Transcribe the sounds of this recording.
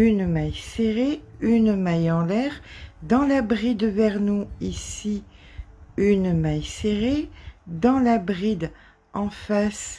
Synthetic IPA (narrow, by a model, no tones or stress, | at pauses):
ynmajseʁeynmajɑ̃lɛʁd̪ɑ̃labʁid̪vɛʁnuisi | ynmajseʁed̪ɑ̃labʁid̪ | ɑ̃fas